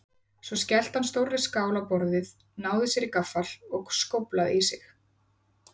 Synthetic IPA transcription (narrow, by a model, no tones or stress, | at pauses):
svɔscɛl̥t̪hanːst̪owrɪskaːwlapɔɾðɪð | naːwðɪsjɛɾikafːalɔɣskowplaðisɪx